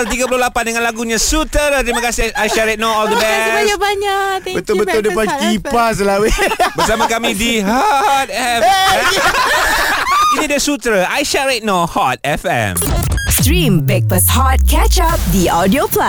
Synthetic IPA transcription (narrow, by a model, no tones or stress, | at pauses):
t̪̬iɡap̬ulʊlapandəŋãnlaɡuɲãsut̪əɾt̪ɾimãkasiajʃaɾet̪̚naɔld̪əbɛasɲabaɲabət̪ʊlbəʊldəpankipas̬əlawebəsamãkamĩdihɔt̪̚ɛfɛ | inĩdiasut̪ɾaʔajʃaɾet̪̚nahɔt̪̚ɛfɛ̰̃mstɹĩmbɛk̚pəshɔt̪̚kʰɛt͡ʃap̚diɔdiopla